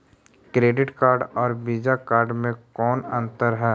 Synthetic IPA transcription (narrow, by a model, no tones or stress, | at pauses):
kɾeːɖɪʈkaːɾɖɔːɾbiːd͡ʒakaːɾɖmẽkɔːnɐ̃nt̪əɾɦɛː